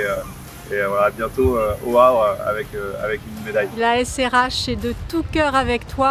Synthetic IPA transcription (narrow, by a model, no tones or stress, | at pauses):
ø | evwalabjɛ̃t̪oøoabʁa̰vɛkøa̰vɛkynmed̪ajlaɛsɛʁaʃed̪ət̪ukʲœʁavɛkt̪wa